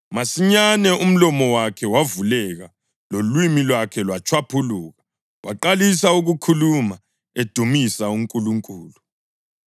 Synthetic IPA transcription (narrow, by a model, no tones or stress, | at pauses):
masiɲanɛum̩lɔmɔwakʰɛwavulɛɣa | lolwimilwakʰɛlwat͡ʃʰwapʰuluːɣa | wʔa̰ǃalisauɣukʰuluma | ed̥ʱumisauŋkʼuluŋkʼuːlu